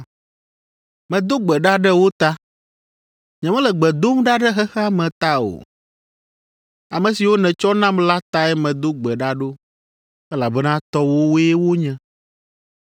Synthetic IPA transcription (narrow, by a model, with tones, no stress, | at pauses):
mɛ̃˨d̪o˦ɡ͡bɛ˨ɖa˦ɖɛ˦wo˦t̪a˦ | ɲɛ̃˨mɛ̃˦lɛ˨ɡ͡bɛ˨d̪o˦mɖa˦ɖɛ˦ɦɛ˦xɛ˦a˦mɛ̃˨t̪a˦o̰˨ | a˨mɛ̃˨si˨wo˦nɛ̃˨t͡ʃɔ˦nã˦mla˦t̪a˦ɛ˦mɛ̃˨d̪o˦ɡ͡bɛ˨ɖa˦ɖo˦ | ɛ˦la˨bɛ˦nã˦t̪ɔ˦wo˦wo˦ɛ˦wo˦ɲɛ̃˨